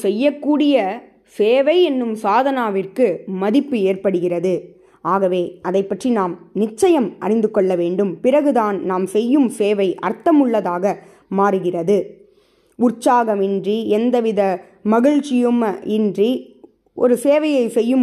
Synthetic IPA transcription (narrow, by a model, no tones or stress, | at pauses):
sɛjːɐkːuːɽɪjɐ | seːʋɐɪɛnːɯmsaːðɐnaːʋɪrkɯmɐðɪpːɯeːrpɐɽɯɣɪrɐðɯ | aːɣɐʋeːɐðɐɪpːɐʈrinaːmnɪt͡ʃːɐjɐmʔɐ̰ɾɪnd̪ɯkːɔɭːɐʋeːɳɖɯmpɪrɐɣɯðaːnnaːmsɛjːɯmseːʋɐɪʔɐ̰ɾt̪ːɐmɯɭːɐðaːɣɐ | maːɾɯɣɪrɐðɯ | ʊt͡ʃaːɣɐmɪndriɛnd̪ɐʋɪðɐ | mɐɣɪɻt͡ʃːɪjɯmɪndri | ʔɔ̰ɾɯseːʋɐjɐɪsɛjːɯm